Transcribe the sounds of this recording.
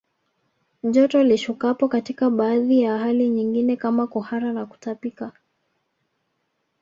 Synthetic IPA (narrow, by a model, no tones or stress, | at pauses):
ʄɔtɔliʃukapɔkatikaɓaːðijaɦaliɲiŋɡinɛkamakuhaɾanaku̥tapika